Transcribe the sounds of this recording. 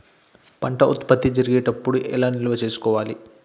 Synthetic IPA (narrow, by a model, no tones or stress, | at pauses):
pɐɳʈɐʔut̪pɐt̪ːid͡ʒɐɾiɡeːʈɐpːuɽuʔɛlaːnilʋɐt͡ʃeːsu̥kɔːʋaːli